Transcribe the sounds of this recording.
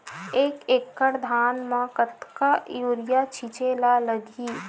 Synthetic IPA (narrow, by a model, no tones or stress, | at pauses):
eːkeːkːəɽd̪ʱaːnmãkət̪kajoːɾɪjat͡ʃʰit͡ʃeːlaləɡiː